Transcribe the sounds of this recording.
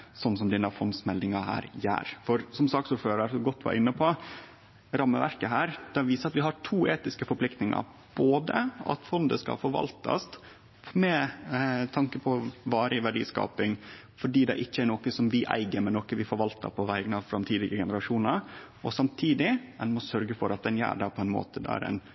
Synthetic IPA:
sɔnːsɔmd̪ɛnɑfɔnsmɛld̪ɪŋɑhæ̰ːɾjæ̰ːɾfɔɾsɔmsɑːksuːɾføːɾəɾsɔɡɔt̪ːʋɑ̰ːɾɪnːəpʰɔ | ɾɑmːəʋæ̰ɾkəɦæːɾd̪̥ɛʋiːsəɑt̪ʋɪɦɑʈʰuːʔeːt̪ɪskəfɔɾpʰlɪkt̪nɪŋɑ̰ | b̥oːd̪əʔɑ̰t̪fɔnd̪ə̰skɑ̰lfɔɾʋɑ̰lt̪ɑ̰st̪ | mɛ | t̪ʰɑŋkəpʰɔʋɑːɾʔəɪʋæɖḭːskɑ̰ːpɪŋ | fɔɖiːd̪ɛ̰ʔɪçːəæɾnoːkəsɔmʋɪʔæ̰ɪɡəɾmɛnɔkəʋɪfɔɾʋɑlt̪ə̰pʰɔʋæɪənɑʋfɾɑmt̪ʰiːd̪ɪɡəɡɛnəɾɑʂuːnəɾ | ʔɔsɑmt̪ʰiːd̪ɪɛnmɔsœɾɡəfɔɾɑt̪̚d̪ɛnjæ̰ːɖɑpʰɔɛnmo̰ːt̪ʰəd̪ɛ̰æ̰ɾɛ̰ɪn

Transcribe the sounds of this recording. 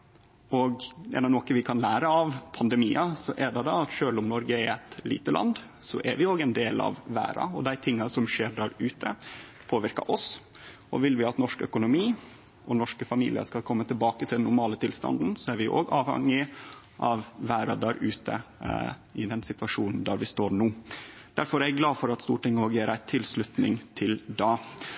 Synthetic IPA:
ɔɡɛ̰nɑʋnɔkəʋɪkʰɑnlæːɾəɑʋpʰɑnd̪ɛmiːɑsɔʔɛɖ̪ɛd̪ɑɑt̪ʃøːlɔmnɔɾɡəɛɾɛt̪lḭːt̪əlɑ̰nd̪ | sɔʔɛ̰ɾʋɪoːɡɛnd̪eːlɑ̰ʋʋæ̰ːɾɑ̰ɔd̪æɪt̪ʰɪŋːɑsɔmʂeːɖæɾʉːt̪ʰə | pʰoːʋɪɾkɑ̰ɾʔɔs | ɔʋɪlʋɪɑt̪nɔʂkœ̰kʊnʊmiː | ʔɔnɔʂkəfɑmḭːlɪ̰ə̰skɑlkʰɔmːət̪ʰɪlbɑːkət̪ʰɪld̪ɛnːʊɾmɑːlət̪ʰɪlst̪ɑ̰nd̪n̩sɔæɾʋɪʔo̰ːɡɑːʋhɛ̰ŋːɪ | ʔɑʋʋæːɾɑd̪æːɾʉːt̪ʰə̰ | ɪd̪ɛnsɪt̪ʋɑʂuːnn̩d̪æɾʋɪst̪oːɾɳuː | d̪̥æɾfɔɾæɡlɑːfɔɾɑt̪st̪ṵːʈɪŋːəoːɡjeːɾæɪt̪ʰɪlslʉt̪nɪŋt̪ʰɪld̪ɑː

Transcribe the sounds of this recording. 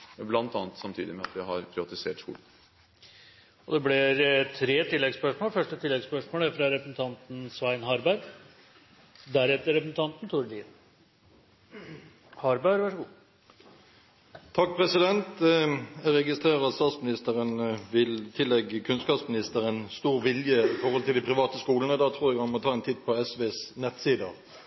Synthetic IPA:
blɑnt̪ɑːnət̪sɑmt̪ʰḭːd̪ɪmɛɑ̰t̪ʋɪɦɑɾpʰɾɪʋɑt̪ɪseːʈʂṵːl | ɔd̪ɛblɪɾt̪ʰɾeːt̪ɪlːɛɡspœʂmoːlfœʂʈət̪ʰɪlːɛɡspœʂmoːləæɾfɾɑɾɛpɾsn̩t̪ʰɑnt̪n̩sʋæɪnɦɑɾbæɾ | d̪æɾɛt̪ːəɾɛpɾsn̩t̪ɑnt̪nt̪ʰuːɾɖ̪in | hɑɾbæɾʋæʂəɡuː | t̪ʰɑk̚ːpʰʁɛsɪd̪ɛnt̪ | ɛʁɛɡɪst̪ʁeːʁəɑt̪st̪ɑːt̪smɪnɪst̪əʁənʋɪlt̪ʰɪlːɛɡːəkʰʉnskɑːpsmɪnɪst̪əɾɛnst̪uːʁʋɪljəɪfɔɾʁhɔlt̪ʰɪld̪ɪpʰɾɪʋɑːt̪əskuːlənəd̪ɑt̪ʰʁuːɾjɛɡhɑnmɔt̪ʰɑːɛnt̪ʰɪt̪̚ːpʰɔɛsʋeːsnɛt̪siːd̪ə

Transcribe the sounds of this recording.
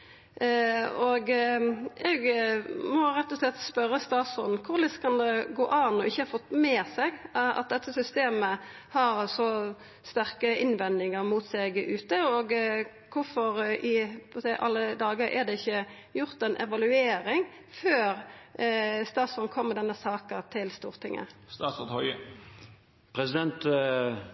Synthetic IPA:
ɔɡ | ɛɡmɔɾɛt̪ːɔslɛt̪ːspœɾːəst̪ɑːsɔnkʰʊɾlɪskʰɑnd̪ɛɡoːʔɑːnɔɪçːəhɑɾfɔt̪ːmɛːsɛɡɑ̰t̪̚d̪ɛt̪ːəsʏst̪eːmə | hɑʁsɔ | st̪æɾkəʔɪnʋɛnd̪ɪŋəɾmuːt̪sɛɡʉːt̪əoːɡ | kʰʊɾfɔɾɪpɔsɛɪʔɑ̰lːəd̪ɑːɡəɾʔɛ̰d̪ɛɪçːə | jʊʁt̪ɛnʔɛʋɑlʉeːɾɪŋ | føːɾ | st̪ɑːt̪sɔɾnkʰɔmːəd̪ɛnːəsɑːkət̪ʰɪlst̪ṵːʁt̪ʰɪŋːə̰st̪ɑːsɔt̪hɔʏə | pʰʁɛsɪd̪ɛnt̪

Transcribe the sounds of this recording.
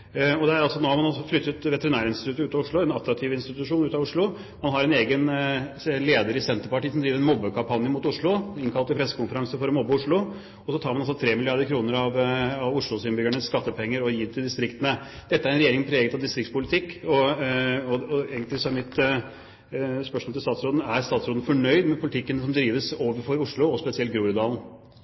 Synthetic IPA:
ɔd̪ɛæɾɑlsɔnoːhɑɾmɑnɑlsɔflʏt̪ːət̪ʋɛt̪əɾɪnæːɾəɪnt̪ɪt̪ʰʉ̟t̪ːəʉːt̪ɑʊʂɭʊɛnɑt̪ːɾɑk̚t̪ʰiːʋɪnst̪ɪt̪ʉʂuːnʉːt̪ɑʋʊʂɭʊ | mɑnɦɑɾɛneːɡən | leːd̪əɾɪsɛnt̪əɾpɑʈiːsɔmd̪ɾiːʋəɾɛnmɔbːəkʰɑmpʰɑnjəmʊːt̪ʊʂɭʊɪŋkʰɑlt̪ɪpʰɾɛsːə̥kʰʊnfəɾɑŋsəfɔɾɔmɔbːəʊʂɭʊ | ɔsɔt̪ʰɑːɾmɑnɑlsɔt̪ʰɾeːmɪlɪɑɾd̪əɾkʰɾuːnəɾɑʋɑʋʊʂɭʊsɪnbʏɡæɳəsskɑt̪ːəpʰɛŋːəɾɔjiːd̪ɛt̪ʰɪld̪ɪst̪ɾɪkt̪ənəd̪̥ɛt̪ːəæɾɛnɾɛeːɾɪŋpʰɾeːɡət̪ʰɑʋd̪ɪst̪ɾɪkt̪spʊlɪt̪ʰɪkːɔ | ɔɔeːɡənlɪsɔæɾmɪt̪ | spœʂmoɔlt̪ɪst̪ɑːt̪sɾoːd̪n̩æɾst̪ɑːt̪sɾoːd̪n̩fɔɳœʏd̪mɛpʰʊlɪt̪ʰɪkːənəsɔmd̪ɾiːʋəsoːʋəɾfɔɾʊʂɭʊɔspɛsɪɛlt̪̚ɡɾuːɾʉd̪ɑːln̩

